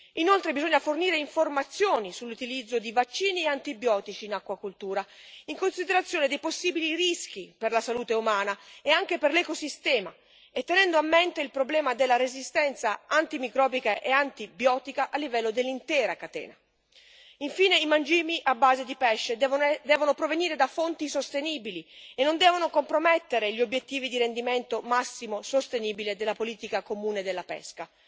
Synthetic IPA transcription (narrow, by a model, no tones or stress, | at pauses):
inolt̪ɾebizoɲːaforniːɾeiɱformat̪sːjoːnisulːut̪ilid̪zːod̪ivat͡ʃːiːnieant̪ibjɔːt̪it͡ʃiːnakːwakult̪uːɾaiŋkonsid̪eɾat̪sːjoːned̪ejposːiːbiliɾisk̟iperlasaluːt̪eumaːnaeaŋk̟eperlɛkosist̪ɛːma̰ | et̪ːenɛnd̪oamːent̪eilpɾoblɛːmad̪elːaɾezist̪ɛnt̪saant̪imikɾɔːbikaʔeant̪ibjɔːt̪ikaʔalːivɛlːod̪elːint̪ɛːɾakat̪ɛ̰ːna | iɱfiːneimand͡ʒiːmiʔabːaːzed̪ipɛʃːedd̪ɛːvonopɾoveniːɾed̪afont̪isost̪eniːbilienːond̪ɛːvonokompɾomɛt̪ːeɾeʎːiobjet̪ːiːvid̪iɾend̪iment̪omasːimosost̪eniːbiled̪elːapoliːt̪ikakomuːned̪elːapɛ̰ska